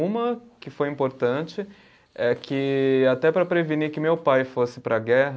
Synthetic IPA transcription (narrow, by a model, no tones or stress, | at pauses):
ũmɐkɪfojĩmpoɾt̪ɐ̃t͡ʃɪ | ɛkʰɪat̪ɛpɾɐpɾevinikɪmewpajfosɪ̥pɾɐɡɛɦɐ